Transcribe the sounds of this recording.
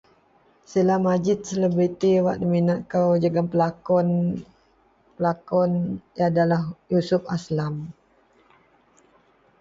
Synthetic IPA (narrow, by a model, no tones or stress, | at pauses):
səlamad͡ʒɪt̪̚sələbɾit̪iwaʔnəminaʔkəwd͡ʒəɡampəlakɔn | pəlakɔnjadalahjusʊp̚aslam